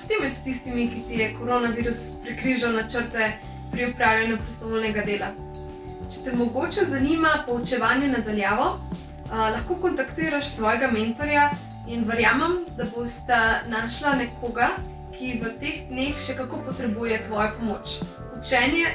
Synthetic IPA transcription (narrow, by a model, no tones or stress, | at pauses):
st̪imɛt̪t̪is̬t̪imikit̪ijɛkoɾoːnaʋiɾuspɾɛkɾiʒawnat͡ʃəɾt̪ɛ | pɾiupɾaːwljanjupɾɛst̪ɔʋolnɛɡad̪eːla | t͡ʃɛ̥t̪ɛmɔɡot͡ʃɛzanimapɔut͡ʃɛʋaːnjɛnad̪aljaːʋɔ | lɐxkoːkɔnt̪akt̪iːɾaʃsʋɔːjɛɡament̪ɔɾja | inʋəɾjaːmɛmd̪abost̪anaːʃlanɛkʰoːɡa | kʰiʋət̪eɣd̪nexʃɛkakopɔt̪ɾɛbujɛt̪ʋɔːjɔpɔmoːt͡ʃ | ut͡ʃɛːnjɛ